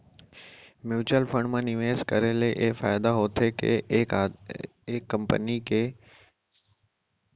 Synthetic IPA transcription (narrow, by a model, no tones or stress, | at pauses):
mjuːt͡ɕəlfə̃ɳɖmãːnɪʋeːskɐɾeleʔeɦfaːɪd̪aɦoːt̪ʰekʰḛ | ekːɐ̃mpə̰nikʰeː